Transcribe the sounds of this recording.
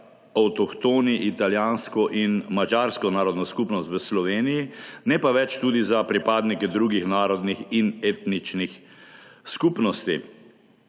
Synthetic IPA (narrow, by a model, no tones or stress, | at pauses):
awt̪ɔkt̪oːniʔit̪aljaːnskɔʔinmad͡ʒaːɾskɔnaːɾɔd̪nɔskupnɔst̪ʋəslɔʋeːnijinɛpaʋɛt͡ʃt̪uːd̪izapɾipaːd̪nikɛd̪ɾuːɡixnaːɾɔd̪nixineːt̪nit͡ʃnix | skupnɔst̪i